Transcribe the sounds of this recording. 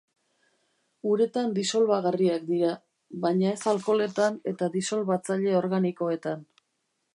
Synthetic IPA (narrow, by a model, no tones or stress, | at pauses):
uɾe̞t̪and̪iso̞lβaɣariakd̪iɾa | βajɲae̞salko̞le̞t̪ane̞t̪aðiso̞lβat͡saʎe̞o̞ɾɣaniko̞e̞t̪an